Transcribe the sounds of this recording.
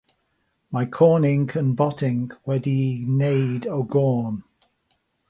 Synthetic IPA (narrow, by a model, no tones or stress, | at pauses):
maɪkʰɔːnɪ̃ŋkʰə̃nbɒtɪ̃ŋkʰwɛdineɪdəɡɔːn